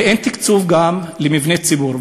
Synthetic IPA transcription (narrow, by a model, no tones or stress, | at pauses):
ʔent̪ikt͡suvɡamlimivnet͡sibuʁv